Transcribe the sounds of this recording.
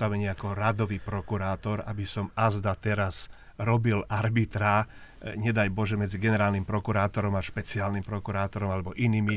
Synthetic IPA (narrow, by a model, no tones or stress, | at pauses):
t̪aʋɛɲɪɛakɔɾad̪ɔʋiːpɾɔkuɾaːt̪ɔɾabisɔmazd̪at̪ɛɾaz | ɾɔbilaɾbit̪ɾaː | ɲɛd̪ajbɔʒɛmɛd͡ziɡɛnɛɾaːlnimpɾɔkuɾaːt̪ɔɾɔmaʃpɛt͡siaːlnimpɾɔkuɾaːt̪ɔɾɔmalɛbɔʔiniːmi